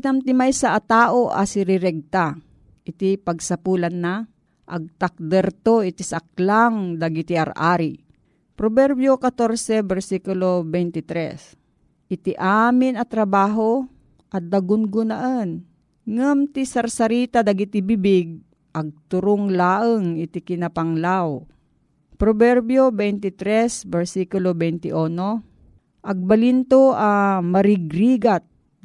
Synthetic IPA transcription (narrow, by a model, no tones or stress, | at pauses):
t̪amt̪ɪmajsaʔːt̪aːʔoʔa̰sɪɾɪɾɛɡ̚t̪a | ʔɪt̪ipɐɡsɐpuːlanːa | ʔɐ̰ɡ̚t̪ak̚d̪ɛɾt̪oʔɪt̪isak̚laŋd̪ɐɡit̪iaɾa̰ɾi | pɾobɛɾbjokat̪oɾsɛbɛɾsikʊlobɛjnt̪ɪt̪ɾɛ̰s | ʔɪt̪ɪʔamɪnɐt̪ɾɐbaːɦo | ʔɐd̪ɐɡʊnɡʊnɐʔən | ŋamt̪isɐɾsɐɾiːt̪ad̪ɐɡit̪ɪbibɪɡ̚ | ʔɐɡ̚t̪ʊɾʊŋlaːʔəŋɪt̪ɪkɪnɐpɐŋlaw | pɾobɛɾbjobɛjnt̪ɪt̪ɾɛsbɛɹsikʊlobɛjnt̪ɪʔono | ʔɐɡ̚bɐlint̪oʔamɐɾɪɡɾiːɡat̪̚